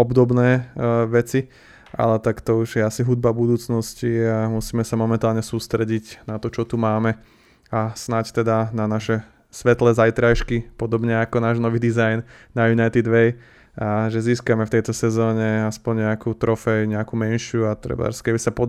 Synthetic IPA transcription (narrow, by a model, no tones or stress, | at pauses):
ɔbd̪ɔbnɛːʋɛt͡si | ʔa̰lɛt̪akt̪ɔuʒjɛasiɦud̪̚babud̪uːt͡snɔsciamusiːmɛsamɔmɛnt̪aːlɲɛsuːst̪ɾɛɟicnat̪ɔt͡ʃɔt̪umaːmɛ | asnact̪ɛd̪ananaʃɛ | sʋɛt̪lɛzajt̪ɾajʃkipɔd̪ɔbɲɛakɔnaːʒnɔʋiːd̪izajnː | ajunajt̪id̪ʋɛj | aʒɛziːskamɛft̪ɛjt̪ɔsɛzɔːɲɛaspɔɲɲɛakuːt̪ɾɔfɛjɲɛakumɛnʃɪjuat̪ɾɛ̰ba̰ɾskɛbisapɔ